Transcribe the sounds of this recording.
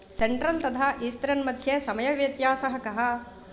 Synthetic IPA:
seɳʈɾɐlt̪ɐt̪ʰaːʔiːst̪ɐɾɐnmɐd̪ʱjeːsɐmɐjɐʋjɐt̪jaːsɐɦɐkɐɦɐ̆

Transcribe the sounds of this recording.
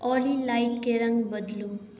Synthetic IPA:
ʌlilajʈkeɾʌŋɡbʌd̪lũŋ

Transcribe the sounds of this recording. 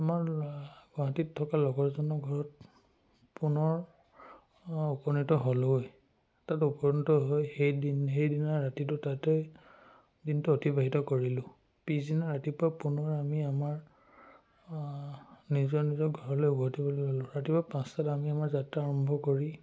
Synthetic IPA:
amaɹɡɔɦatittʰːɔkalɔɡɔɹzɔnɔɡʱɔɹɔt̚ | punɔɹ | upɔnitɔɦoloj | tatupɔnitɔɦojxejdinxejdinaɹatitʊtatej | dintuotʰibaɦitɔkoɹilʊ̃ | pizinaɹatipɹapunɔɹamiamaɹ | nizɔɹnizɔɡʱɔɹɔlojɡɔɦatibɔllolʊ̃ɹatipapãstatamiamaɹzatɹaːɹɔmbʱɔkoɹi

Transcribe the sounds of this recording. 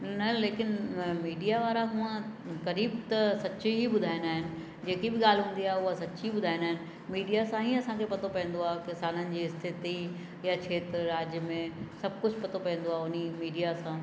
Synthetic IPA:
nɐleːkɪnmiːɖijaʋaːɾaɦũːə̃kɐɾiːbt̪ɐsɐt͡ɕɦibʊd̪ʱaːɪnaːɦɪnɪ̆ | d͡ʑeːkibɪɠaːlɪɦũːn̆d̪iaːɦeʊasɐtːt͡ɕibʊd̪ʱaːɪnaːɦɪnɪ̆ | miːɖijasãĩːɐsãkʰepɐt̪ʰopɐ̃ɦə̃n̆d̪oaːkɪsaːnənɪ̆d͡ʑiːɪst̪ʰɪt̪i | jat͡ɕʰeːt̪ɾaːd͡ʑjəmẽsɐb̚ʱkʊd͡ʑpɐt̪ʰopɐ̃ɦə̃n̆d̪oaːʊnimiːɖijasãː

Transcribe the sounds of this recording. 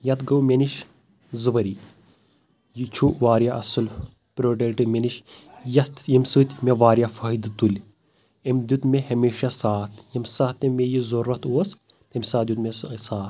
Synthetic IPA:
jɐt̪ɡɐwmʲeniʃ | zɨʋɐɾi | jit͡ʃʰuʔʋaːɾjaʔɐsɨl | pɾoːʈeʈɨmʲeniʃjɐt̪jimsɨːt̪ʲmʲeʋaːɾjafɐɦid̪t̪ulʲ | emd̪ʲut̪mʲehɐmeːʃasaːt̪ʰjɐmsat̪ːemːejizoɾɐt̪ʰuɐs | t̪emʲsaːd̪ʲjut̪mesaːt̪

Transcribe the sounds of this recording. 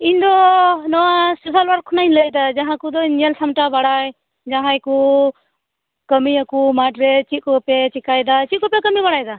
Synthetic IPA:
iɲd̪ɔnɔwasusalwaɾkʰːɔnajɲləjd̪ad͡ʒãɦãkud̪ɔnɛlsamʈabaɽaj | d͡ʒãɦãjku | kəmiakumaʈɾɛt͡ʃit̪̚kɔpɛt͡ʃikajd̪at͡ʃit̪̚kɔpɛkəmiβaɽajd̪a

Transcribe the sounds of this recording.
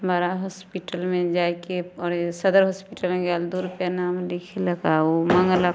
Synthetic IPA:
maːɾaɦɔːspiʈəlmẽd͡ʒaːkeɔɾsɐd̪əɾɦɔːspiʈəlmẽɡaːld̪uɾupjanaːmlikʰelɐɡaomə̃ŋɡəla

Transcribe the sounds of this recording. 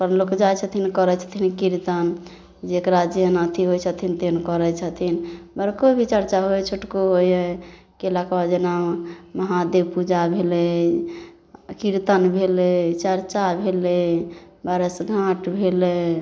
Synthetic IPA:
pəɾnlokd͡ʒajt͡ʃʰət̪ʰinkɔɾɛt͡ʃʰə̥t̪ʰinkiɾt̪ən | d͡ʒeekɾad͡ʒjənət̪ʰiɦojt͡ʃʰət̪ʰint̪enkɔɾɛt͡ʃʰət̪ʰinbəɾkobʱit͡ʃəɾt͡ʃaɦot͡ʃʰoʈkoɦojə | kelakbad͡ʒenamməɦad̪ebpud͡ʒabʱelɛ | kiɾt̪ənbʱelet͡ʃəɾt͡ʃabʱele | baɾəsɡʱãʈbʱelɛ

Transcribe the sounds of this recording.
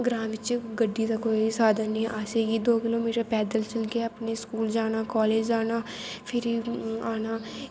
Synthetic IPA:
ɡɾãːmʋɪt͡ʃɡəɖːiːd̪aːkoːisaːd̪ənːĩːʔaːseːɡiːd̪oːkɪloːmiːʈəɾpɛːd̪əlt͡ʃəlkeəpneːskuːld͡ʒaːnaːkɔːleːd͡ʒd͡ʒaːnaːpʰɪɾiːaːnaː

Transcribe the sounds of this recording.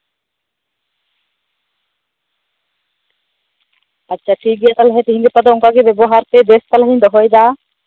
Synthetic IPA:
atːʃʰaʈʰik̚ɡijat̪alɦɛt̪iɦiŋɡepad̪oɔŋkaɡibɛbɔɦaɾt̪ed̪est̪alɦiɲd̪ɔɦɔjd̪a

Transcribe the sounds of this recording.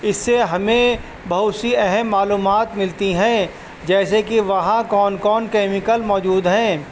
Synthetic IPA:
ɪsːeɦɐmẽ | bɐɦʊt̪siɛɦɛmːaːluːmaːt̪mɪlt̪iɦɛ̃ː | d͡ʒɛːsekiʋɐɦãkɔːnkɔːnkɛːmɪkəlmɔːd͡ʒuːd̪ɦɛ̃ː

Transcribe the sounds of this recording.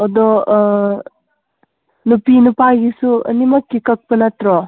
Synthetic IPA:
ɔdɔ | nupinupaɡisuɐ̰nimɐkːikɐk̚pɐnatɾɔ

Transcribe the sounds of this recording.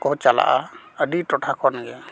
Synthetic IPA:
kɔɦt͡ʃala̰ʔaəɖiʈɔʈʰakʰɔnaɡɛ

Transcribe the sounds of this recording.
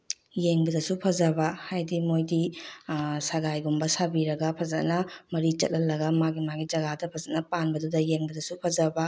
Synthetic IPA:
jeŋbɐdɐsupʰɐzɐbɐhajdimojdi | saɡajɡumbɐsabiɾɐɡɐpʰɐzɐt̚nɐmɐɾit͡ʃɐ̰t̚lɐlɐɡɐmaɡimaɡid͡ʒɐɡadɐpʰɐzɐt̚nɐpanbɐdudɐjeŋbɐdɐsupʰɐzɐbɐ

